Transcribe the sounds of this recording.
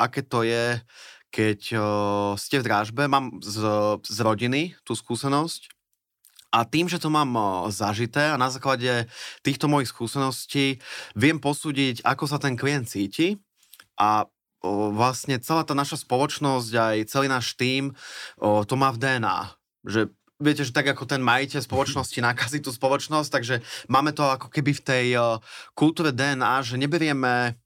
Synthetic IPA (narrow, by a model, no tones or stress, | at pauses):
ʔakɛːt̪ɔjɛkɛc | scɛvd̪ɾaːʒbɛmaːmzzɾɔɟinit̪uːskuːsɛnɔsc | ʔat̪iːmʒɛt̪ɔmaːmzaʒit̪ɛːanazaːklaɟɛt̪iːxt̪ɔmɔjixskuːsɛnɔsciːʋɪɛmpɔsuːɟicakɔs̬at̪ɛnkliɛnt̪̚t͡siːci | ʔa | ʋlasɲɛt͡sɛlaːt̪aːnaʃaspɔlɔt͡ʃnɔsɟajt͡sɛliːnaːʃt̪iːm | t̪ɔmaːvd̪ɛːɛna̰ː | ʒɛ | ʋɪɛcɛʒɛt̪aɡakɔt̪ɛnmajicɛʎspɔlɔt͡ʃnɔscinaːkaːzit̪uːspɔlɔt͡ʃnɔs̬c̚t̪aɡʒɛmaːmɛt̪ɔakɔ̥kɛbift̪ɛjkult̪uːɾɛd̪ɛːɛnaːʒɛɲɛbɛɾɪɛmɛ